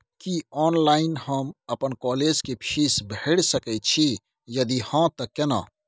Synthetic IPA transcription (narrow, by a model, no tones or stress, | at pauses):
kiɔːnlaːɪnhəmɐpənkɔːleːd͡ʒkepʰiːsbʱeɽsəkɛt͡ʃʰi | jɐd̪ihãt̪əkːena̰ː